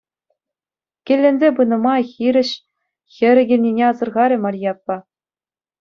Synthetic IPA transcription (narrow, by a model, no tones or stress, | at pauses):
kʲĕlʲːenʲzʲebɯnɤ̆mɑxʲiɾʲɘ̆ɕ | xʲɘ̆ɾʲɘ̆ɡʲĕlʲnʲinʲeɑzɤ̆rʁɑɾʲɘ̆mɑrʲjɑpːɑ